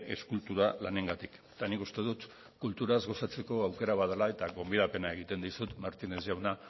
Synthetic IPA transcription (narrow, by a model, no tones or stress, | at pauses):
e̞̰skult̪uɾalane̞ŋɡat̪iket̪anikust̪e̞ðut̪ | kult̪uɾazɣo̞sat͡se̞ko̞awke̞ɾaβ̞aðalae̞t̪aɣo̞mbið̞ape̞nae̞ɣ̞it̪e̞nd̪isut̪maɾt̪ine̞zʝawna